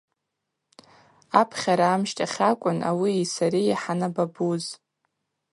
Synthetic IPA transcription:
apʰχʲaɾaːmʃtʼaχʲakʷʼʊna̰wiisaɾiaħanababuz

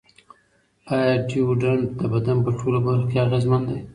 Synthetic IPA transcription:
ɑjaɖiwɖaɳd̪əbad̪anpəʈʰolobaɾxokeaɣezmand̪aj

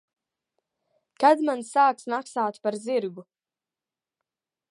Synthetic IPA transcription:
kad̪mansaːksmaksaːt̪paɾziɾɡu

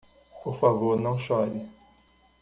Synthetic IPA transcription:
poɾfavoɾnɐ̃w̃ʃɔɾɪ

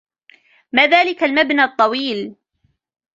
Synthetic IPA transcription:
maːðaːlɪkalmabnaːt̪ˤːɑwiːl

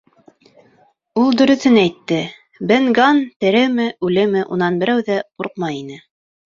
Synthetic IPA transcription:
ulˠd̪ɵ̆ɾɵ̆θɘnæjt̪ːɘ | bɘŋɡɑnt̪ɘ̆ɾɘmɘʉlɘmɘʔṵnɑnbɘ̆ɾæwðæquɾq̚mɑjinɘ

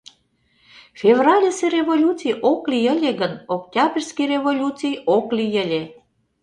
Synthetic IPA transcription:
fʲevrɑlʲeserevolʲut͡sijʔoklijəlʲeɣənok̚t̪ʲɑbʲirʲskijrevolʲut͡sijoklijəlʲe

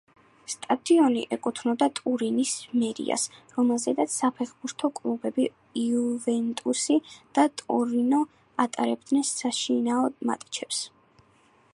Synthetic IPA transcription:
st̪ʼad̪iɔnḭʔɛkʼut̪ʰnɔd̪at̪ʼuɾinismɛɾḭa̰sɾɔmɛlˠzɛd̪at̪sʰapʰɛχbuɾt̪ʰɔkʼlˠubɛbi | uvɛnt̪ʼusid̪̥at̪ʼuɾinɔ | at̪ʼaɾɛb̚d̪nɛnsaʃinaɔdma̰t̪ʼi̥t͡ʃʰɛps

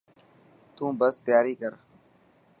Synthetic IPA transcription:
t̪ũːbəst̪jaːɾiːkəɾ

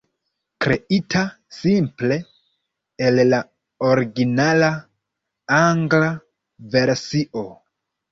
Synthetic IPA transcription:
kɾe̞itʰa | simple̞ | elːa | oɾiɡinala | aŋɡla | ve̞ɾsiʔo̞

